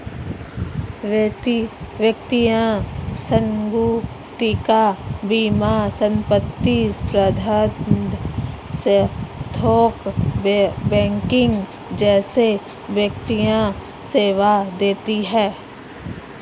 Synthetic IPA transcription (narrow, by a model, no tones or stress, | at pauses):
ʋt̪iʋjəkt̪ijãsə̃ŋɡu | t̪ikabiːmasə̃mpət̪ːispɾəd̪ʱad̪st̪ʰoːk | bɛ̃ːŋkɪ̃ŋɡ | d͡ʒɛːse | ʋjəkt̪ijã | seːʋad̪eːt̪iɦɛː